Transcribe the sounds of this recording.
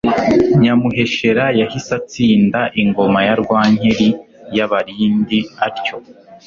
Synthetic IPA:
ɲamuɦe̞ʃe̞ɾajahisat͡siːndaʔiŋɡo̞majaɾɡwaːɲeɾi | jaβaɾiːndiaɾco̞

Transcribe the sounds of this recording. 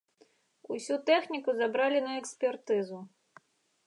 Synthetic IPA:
usʲut̪ɛxnʲikuzabɾalʲinɐɛksʲpʲɛrt̪ɨzu

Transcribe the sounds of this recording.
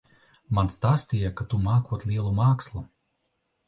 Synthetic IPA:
manst̪aːst̪ijakat̪umaːkuɔt̪lʲiɛlˠumaːkslˠu

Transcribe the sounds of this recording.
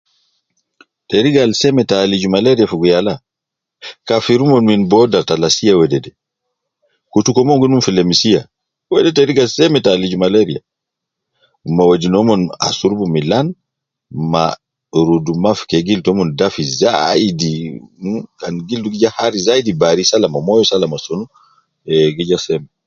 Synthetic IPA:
tɛɾiɡalsɛmɛtalid͡ʒumaleɾiafuɡujala | kafiɾumɔnminbɔdatalasijawɛdɛdɛ | kutukɔmɔŋɡununfilemisija | wɛdɛtɛɾiɡalsɛmɛtalid͡ʒumaleɾija | mawadinɔmɔna̰suɾbumilan | ma̰ | ɾudumafkɛɡiltɔmɔndafiza̰idi | kanɡilduɡid͡ʒahaɾizaidibaɾisalamamɔjɔsalamasonu | ɛɡid͡ʒasɛmɛ

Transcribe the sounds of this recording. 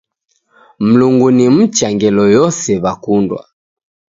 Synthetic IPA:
m̩luŋɡunim̩t͡ʃaŋɡɛlɔjɔsɛβakundwa̰

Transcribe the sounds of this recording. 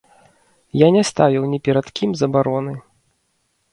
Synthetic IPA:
janʲɛst̪avʲiwnʲɛpʲɛɾɐt̪kʲimzɐbaɾɔnɨ

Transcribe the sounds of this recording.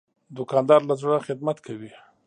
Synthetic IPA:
d̪ʊkɑnd̪ɑɾlazɽaxɪd̪mat̪kʰawi

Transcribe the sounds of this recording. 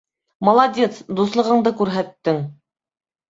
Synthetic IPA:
mɑlˠɑdʲe̞t̪sd̪uslˠɤ̆ʁɤ̆ɴd̪ɤkʉɾɦæt̪ːɘŋ

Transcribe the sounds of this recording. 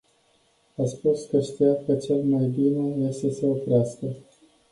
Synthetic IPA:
aspuskəʃt̪ijat̪̚kət͡ʃe̞lmajbineje̞st̪e̞se̞opɾeaskə

